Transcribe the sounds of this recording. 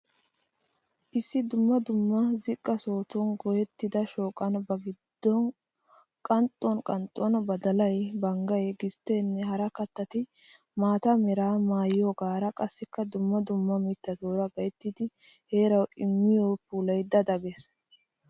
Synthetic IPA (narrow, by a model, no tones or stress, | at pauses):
ʔɪsːɪd̪ʊmːɐd̪ʊmːɐzɪkʼːɐso̞ːt̪ʊnɡɔjɛt̪ːɪd̪ɐʃo̞ːkʼɐnbɐɡɪd̪̥ːɔn | kʼɐnt̪ʼːɔnkʼɐnt̪ʼːɔnbɐd̪ɐlɐjbɐŋɡɐjɡɪst̪ːe̞ːnːɛɦɐɾɐkɐt̪ːɐt̪ɪ | maːt̪ɐmɛɾaːmaːjjoːɡaːɾɐkʼɐsːɪkːɐd̪ʊmːɐd̪ʊmːɐmɪt̪ːɐd̪oːɾɐɡɐjt̪ːɪd̪ɪ | he̞ːɾɐwɪmːɪjoːpuːlɐjd̪ɐd̪ɐɡɛs